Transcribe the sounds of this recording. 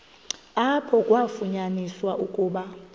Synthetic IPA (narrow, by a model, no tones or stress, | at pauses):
apʰɔkʼwafuɲaniswaʔukʼuːɓa